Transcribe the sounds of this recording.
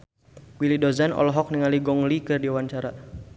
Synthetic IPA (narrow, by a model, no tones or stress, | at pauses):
wilidozanɔ̰lɔɦɔk̚niŋaliɡɔŋlikɨrdiwaɲt͡ʃaɾa